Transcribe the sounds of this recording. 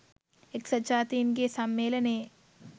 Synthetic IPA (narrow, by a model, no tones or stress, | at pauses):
eksɐt͡ʃaːt̪iːnɡesɐmːeːlɐne